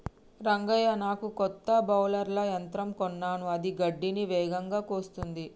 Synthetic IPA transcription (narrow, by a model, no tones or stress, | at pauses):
ɾɐŋɡɐjɐnaːkukɔt̪ːɐbɐwlɐɾlɐjɐnt̪ɾɐmkɔnːaːnuɐd̪iɡɐɖːiniʋɛːɡɐŋɡaːkoːst̪und̪i